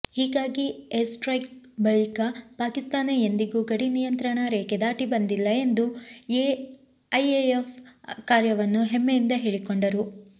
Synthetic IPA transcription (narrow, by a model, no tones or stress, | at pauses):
hiːɡaːɡiesʈɾɐjk̚ | bɐɭikapaːkist̪aːnejend̪iɡuːɡɐɽinijɐnt̪ɾɐɳɐɾɛːked̪aːʈibɐnd̪ilːɐe̞nd̪ue | ɐjeefʰkaːɾjɐʋɐnːuɦemːejind̪ɐɦeːɭikoɳɖɐɾu